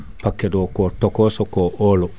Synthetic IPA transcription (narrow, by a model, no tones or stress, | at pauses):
pakːedokotokosokoʔolo